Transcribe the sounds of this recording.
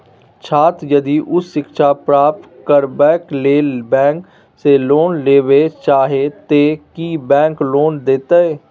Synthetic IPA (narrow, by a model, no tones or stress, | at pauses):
t͡ʃʰaːt̪jəd̪iʔʊsːɪkʃapɾaːp̚t̪kəɾbɛːkleːbɛ̃ːk | seloːnleːʋet͡ʃaːɦet̪ekibɛ̃ːŋkloːnd̪eːt̪aeː